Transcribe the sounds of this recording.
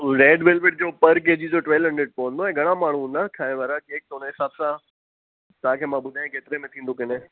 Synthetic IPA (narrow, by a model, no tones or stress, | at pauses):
ɾeːɖʋeːlʋeɖ̚d͡ʑoːpɐɾkeːd͡ʑid͡ʑoːʈʋɛlɦɐ̃ɳɖɾeːɖ̚poʋə̃nd̪oɛ̃ːɡʱɐɽ̃amaːɳ̤uũnd̪akʰaːɪ̃ʋaːɾakeːk̚t̪oneɦɪsaːbsã | t̪ɐɦãkʰeːmãbʊd̪ʱaːẽkeːt̪ɪɾemẽt̪ʰĩːnd̪okɪnẽ